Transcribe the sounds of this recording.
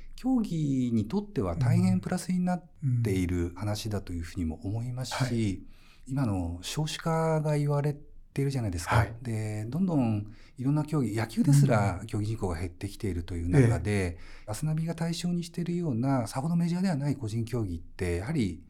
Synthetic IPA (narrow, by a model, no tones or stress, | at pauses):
kʲo̞ːɡʲiɲ̟it̪o̞t̪ːe̞βa̰t̪aihẽ̞mpɯ̟ɾasɨɲ̟inat̪ːe̞iɾɯ̟hanaɕid̪at̪o̞jɯ̟ːɸɯ̟ːɲ̟imo̞̰ʔomo̞imasɨ̥ɕi | imano̞ɕo̞ːɕɨ̥kaɡaiβaɾe̞t̪eiɾɯ̟ʑanaid̪e̞sɨ̥kad̪e̞d̪õ̞nd̪õ̞ɴ | iɾõ̞nːakʲo̞ːɡʲijakʲɨ̟ːd̪e̞sɨɾakʲo̞ːɡʲiʑĩŋko̞ːɡa̰he̞t̪ːe̞kʲi̥t̪e̞iɾɯ̟t̪o̞jɯ̟ːnakad̪e̞ | asɨnabʲiɡat̪aiɕo̞ːɲ̟iɕi̥t̪eɾɯ̟jo̞ːnasahod̪o̞me̞ʑiaːd̪e̞βanaiko̞ʑĩŋkʲo̞ːɡʲit̪ːe̞jahaɾʲi